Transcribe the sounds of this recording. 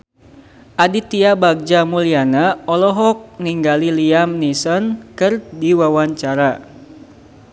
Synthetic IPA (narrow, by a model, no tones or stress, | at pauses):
ʔadit̪iabaɡ̚d͡ʒamulianaɔlɔɦɔk̚niŋɡaliliamnisɔnkɨrdiwawaɲt͡ʃaɾa